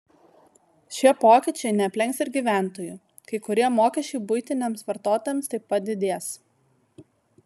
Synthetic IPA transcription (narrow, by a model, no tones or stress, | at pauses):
ʃʲiɛpoːkʲɪt͡ʃʲɛɪnʲɛɐpʲlʲɛŋksɪɾɡʲiːˑʋʲæˑnt̪oːju | kɐɪkʊɾʲiɛmoːkʲɛʃʲt͡ʃʲɛɪbʊɪt̪ʲɪnʲeːmsʋɐɾt̪oːt̪oːjɛmst̪ɐɪppɐt̪̚d̪ʲɪd̪ʲeːs